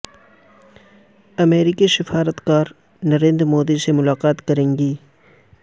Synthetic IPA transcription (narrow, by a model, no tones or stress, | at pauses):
ɐmeːɾɪkisɪfaːɾət̪kaːɾ | nɐɾẽːnd̪ɾmoːd̪isemʊlaːqaːt̪kɐɾẽːŋɡiː